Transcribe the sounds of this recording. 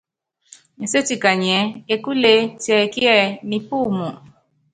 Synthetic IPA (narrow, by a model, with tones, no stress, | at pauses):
ɲɛ̃˨se˦ti˦˨ka˨ɲ˨ɛ˨˦e˦˧ku˦le˧ti˦ɛ˧e˨ki˦ɛ˦˨nĩ˧pu˦˨mũ˨